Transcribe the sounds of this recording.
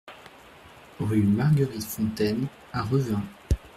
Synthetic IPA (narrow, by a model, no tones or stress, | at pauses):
ʁymaʁɡəʁit̪fɔ̃t̪ɛn | aʁəvɛ̃